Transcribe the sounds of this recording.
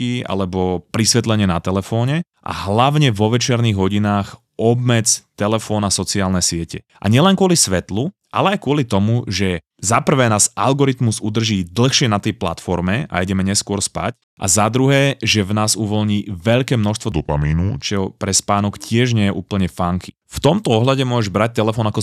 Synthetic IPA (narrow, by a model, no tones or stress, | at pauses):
ia̰lɛbɔpɾisʋɛt̪lɛɲɪɛnat̪ɛlɛfɔːɲɛ | ʔa̰ɦlaʊɲɛʋɔʋɛt͡ʃɪɛɾniɣɦɔɟinaːx | ɔb̚mɛd͡zt̪ɛlɛfɔːnasɔt͡siaːlnɛsɪɛcɛ̰ | ʔa̰ɲɪɛlɛnkʊɔlisʋɛt̪luʔa̰lɛajkʊɔlit̪ɔmuʒɛ | zapr̩ʋɛːnaːzʔa̰lɡɔɾit̪muzud̪r̩ʒiːd̪l̩ˠxʃɪɛnat̪ɛjpla̰t̪fɔɾmɛa̰iɟɛmɛɲɛskʊɔɾspa̰c | ʔa̰zad̪ɾuɦɛːʒɛvnaːzuʋɔlɲiːʋɛʎkɛːmnɔʃst̪ʋɔd̪ɔpamiːnut͡ʃɛɦɔpɾɛspaːnɔkcɪɛʒɲɛjɛʔuːpl̩ɲɛfaŋkʰi̥ | ft̪ɔmt̪ɔɔɦlaɟɛmʊɔʒɛʒbɾac̚t̪ɛlɛfɔːnakɔ